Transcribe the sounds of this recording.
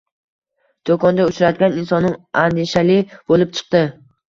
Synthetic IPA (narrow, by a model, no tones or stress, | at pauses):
d̪̥okʰɒnd̪aʊt͡ʃɾad̪ɡʲaninsɒnːɪŋand̪ɪʃalɪb̥olˠɪp̚t͡ʃʰɨ̥q̚t̪ɪ